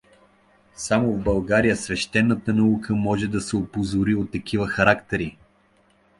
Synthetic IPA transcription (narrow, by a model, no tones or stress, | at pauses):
samovbɐlˠɡaɾijəsvɛʃt̪ɛnːət̪ənɐukʰəmɔʒɛd̪ɐsɛopozʊɾiot̪ːɐk̟ivəxɐɾakt̪ɛɾi